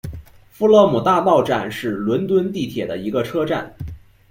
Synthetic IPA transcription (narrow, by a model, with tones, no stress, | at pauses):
fu˥lɔ˥˩mu˨˩t̪a˥˧t̪ɑ˥˧ʊʈ͡ʂa˥˧nʂɻ̩˥˩lwə˧˥nt̪wə˥nt̪i˥˩t̪ʰjɛ˨˩d̪ə˦i˧˥ɡə˧ʈ͡ʂʰɤ˥ʈ͡ʂa˥˩n